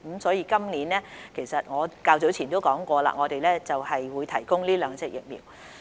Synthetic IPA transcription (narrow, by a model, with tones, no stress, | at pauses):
m̩˨˥msɔː˨˥jiː˧kɐ˥mliː˨˥nlɛː˥kʰe˨˩jsɐ˨t̚ŋɔː˨˧kaː˧wt͡so˨˥wt͡sʰiː˨˩nt̪o˥wkɔː˨˥ŋkʷɔː˧la̰ː˧ŋɔː˨˧t̪e˨jlɛː˥t͡sɐ˨whɐ˨jwuː˨˧jt̪ʰɐ˨˩jkʊ˥ŋliː˥lœː˨˧ŋt͡sɛ˧k̚jɪ̰˨k̚mḭː˨w